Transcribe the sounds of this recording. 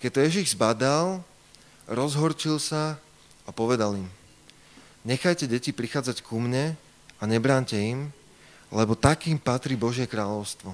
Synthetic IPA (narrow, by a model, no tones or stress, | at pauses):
kɛct̪ɔjɛʒiɣzbad̪al | ɾɔzɦɔɾt͡ʃilsa | apɔʋɛd̪alim | ɲɛxajcɛɟɛcipɾixaːd͡zackumɲɛ | aɲɛbɾaːɲcɛim | lɛbɔt̪akiːmpat̪ɾibɔʒɪɛkɾaːʎɔʊst̪ʋɔ